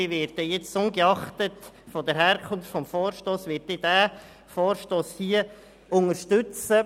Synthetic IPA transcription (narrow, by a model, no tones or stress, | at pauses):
ɪʋɪːɾtəjɛt͡sʊnɡəɑχtət | fɔdəɾɦæːɾkʰʊnftfɔmfoːɾʃtoːsʋɪːtːɪd̥æː | foːɾʃtoːshiːə | ʊŋəɾʃtʉt͡sə